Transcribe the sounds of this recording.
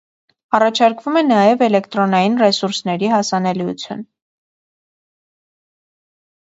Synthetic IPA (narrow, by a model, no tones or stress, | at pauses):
ɑrɑt͡ʃʰɑɾkvumɛnɑjɛvɛlɛkt̪ɾɔnɑjinrɛsuɾsnɛɾihɑsɑnɛliṵt͡sʰjṵn